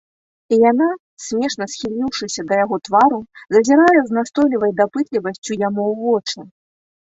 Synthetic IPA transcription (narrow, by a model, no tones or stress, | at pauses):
ijana | sʲmʲɛʂnɐsxʲilʲiwʂɨsʲɐd̪ɐjaɣɔt̪vaɾuzɐzʲiɾajɛznast̪ɔjlʲivɐjd̪apɨt̪lʲivɐsʲt͡sʲujamuwvɔt͡ʂnʲɐ